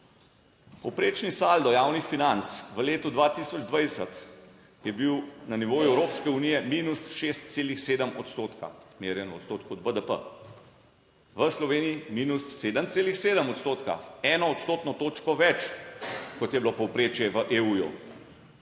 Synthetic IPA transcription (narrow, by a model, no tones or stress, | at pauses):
pɔwpɾeːt͡ʃnisald̪ɔjaːwnixfinant̪sʋəleːt̪ud̪ʋat̪isɔd͡ʒd̪ʋajsət̪ | jɛbiwnaniʋoːjuɛwɾoːpskɛunijɛmiːnusʃest̪̚seːlixseːd̪əmɔt̪st̪oːt̪ka̰meːɾjɛnɔɔ̰t̪st̪oːt̪kɔd̪̚bəd̪əpə̰ | ʋəslɔʋeːnijimiːnusːeːd̪əmt̪seːlixseːd̪əmɔt̪st̪oːt̪ka̰ɛːnɔːt̪st̪oːt̪nɔt̪oːt͡ʃkɔʋɛt͡ʃ | kɔt̪jɛblopɔwpɾeːt͡ʃjɛʋəʔeuːjṵ